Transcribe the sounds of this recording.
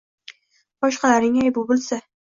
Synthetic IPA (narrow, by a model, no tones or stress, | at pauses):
bɒʃqɑlaɾnɪŋajbʊbʊlˠsa